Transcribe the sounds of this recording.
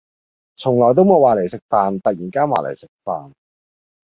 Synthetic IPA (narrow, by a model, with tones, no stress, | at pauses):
t͡sʰʊ˨˩ŋlɔː˨˩t̪o˥wmoː˨˧waː˨le˨˩jsɪ˨k̚faː˨nt̪ɐ˨t̚jiː˨˩nkaː˥nwa̰ː˨lʔḛ˨˩jsɪ˨k̚faː˨n